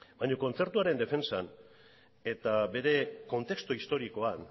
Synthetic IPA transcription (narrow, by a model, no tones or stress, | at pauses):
bajɲoko̞nt͡se̞ɾt̪uaɾe̞nd̪e̞fe̞nsan | e̞t̪abe̞ɾe̞ko̞nt̪e̞kst̪oist̪o̞ɾiko̞an